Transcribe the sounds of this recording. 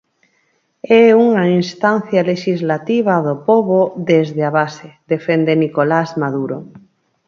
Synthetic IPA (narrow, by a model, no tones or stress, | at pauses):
ɛuŋainst̪an̟θjaleʃizlat̪iβ̞aðopoβoðezðeaβ̞aseðefend̪enikolazmaðuɾo